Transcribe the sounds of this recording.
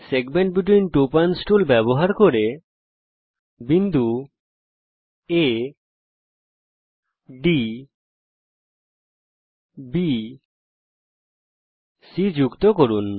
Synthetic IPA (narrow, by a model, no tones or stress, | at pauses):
seɡmeɳʈbiʈ̬winʈopansʈulbɛboɦaɾkoɾe | bind̪ʱu | e | ɖi | bi | sid͡ʑukt̪okoɾun